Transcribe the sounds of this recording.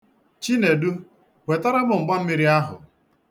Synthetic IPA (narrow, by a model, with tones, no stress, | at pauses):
t͡ʃi˦ne˨du˦ | wʷe˨tɔ˦ɾa˦bʊ˨ŋ͡m̩˨ɡ͡ba˦m̩˦mi˦ɾi˦a˦ɦʊ̰˨